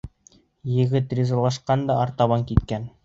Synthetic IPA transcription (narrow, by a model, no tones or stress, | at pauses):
jɘ̆ɡɘt̪rʲizɑlˠɑʃqɑnd̪ɑɑɾt̪ɑβɑŋkit̪kæn